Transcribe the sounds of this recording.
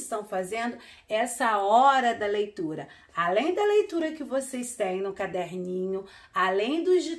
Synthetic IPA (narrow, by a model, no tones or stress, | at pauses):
st̪ɐ̃w̃fazẽnd̪ʊ | ɛsɐɔɾɐd̪ɐlejt̪uɾɐ | alẽj̃d̪ɐlejt̪uɾɐkɪvosest̪ẽj̃nʊkad̪ɛɾnĩɲʊ | alẽj̃d̪ʊd͡ʒi